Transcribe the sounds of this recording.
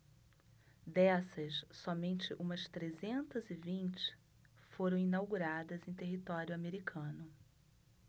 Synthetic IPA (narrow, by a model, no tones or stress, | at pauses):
d̪ɛsɐssɔmẽnt͡ʃɪʔũmɐst̪ɾezẽnt̪ɐzɪvĩnt͡ʃɪ̥ | foɾɐ̃w̃inawɡuɾad̪ɐzẽj̃t̪eɦit̪ɔɾjʊameɾikʰɐ̃nʊ